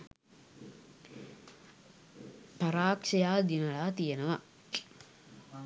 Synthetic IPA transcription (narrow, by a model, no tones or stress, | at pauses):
pɐɾaːkʂɐjaːd̪inɐlaːt̪ijenəʋa